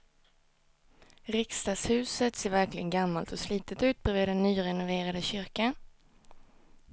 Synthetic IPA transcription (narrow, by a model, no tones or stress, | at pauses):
ɾɪkst̪ɑːshʉ̟ːsət̪seːɾvæɾklɪɡənɡamːalt̪ɔsliːt̪ət̪ʉ̟ːt̪̚bɛveːd̪ɛnːyːɾɛnʊveːɾad̪əɕʏɾka